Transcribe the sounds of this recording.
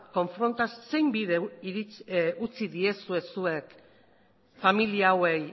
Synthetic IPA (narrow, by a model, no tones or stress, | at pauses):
ko̞ɱfɾo̞nt̪asse̞jmbiðeiɾiut͡siðie̞sue̞sue̞k | familiawe̞j